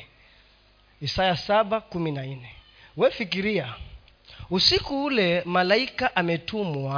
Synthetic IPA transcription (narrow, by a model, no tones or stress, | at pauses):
isajasaɓakuminanɛ | wɛfikiɾia | usikuulɛmalaikaʔamɛtumua